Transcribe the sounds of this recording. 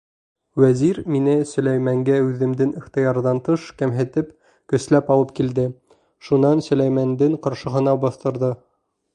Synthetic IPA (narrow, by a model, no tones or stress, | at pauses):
wæziɾminɘsɵ̆læjmæŋɡæʉðɘ̆md̪ɘŋiχt̪ɤ̆jɑɾðɑnt̪ɤʃkæmɦɘ̆t̪ɘp | kɵ̆slæpɑlˠɤp̚kild̪ɘ | ʃunɑnsɵ̆læjmænd̪ɘŋqɑɾʃɤ̆ɦɤ̆nɑbɑθt̪ɤ̆ɾðɤ